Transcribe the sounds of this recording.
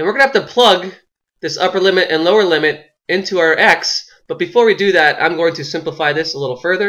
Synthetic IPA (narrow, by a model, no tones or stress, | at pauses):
ɨ̃nwɨɹɡʌnɨhæftɨpʰl̥ʌɡ | ðɪsʌ̰pə˞lɪ̃mɨɾʔɨ̃nloʊə˞lɪ̃mɨɾ | ɪ̃ntʰʉaʊə˞ʔɛks | b̥ʌt̚b̥ɨfɔɹwidɨðæɾã̰ɪ̃mɡoʊɪ̃ŋtʰɨsɪ̃mpləfaɪðɪsəlɪɾl̩ˠfɜ˞ðə˞